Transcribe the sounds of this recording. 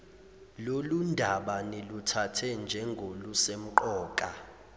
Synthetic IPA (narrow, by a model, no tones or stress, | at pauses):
lolundʱaɓanelutʰatʰɛnd͡ʒʱɛŋɡʱolusem̩ǃɔːkʼa